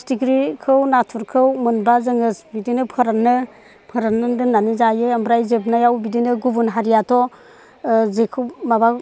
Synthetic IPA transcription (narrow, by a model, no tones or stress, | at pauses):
stikɾikʰɯwnatʰuɾkʰɯwmɯnbazɯŋɯsbidinɯpʰɯɾanːɯ | pʰɯɾanɯdɯnːanizajɯambɾajzep̬najawbidinɯɡubunɦaɾijatʰɔ | zekʰɯwmaba